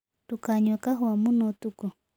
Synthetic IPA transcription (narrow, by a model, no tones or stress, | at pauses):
tukaɲakaɦwamunot̪uku